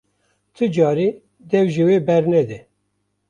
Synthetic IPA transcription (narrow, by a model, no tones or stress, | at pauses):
t̪ʰɨd͡ʒɑːɾiː | d̪ɛwʒiweːbɛɾnɛd̪ɛ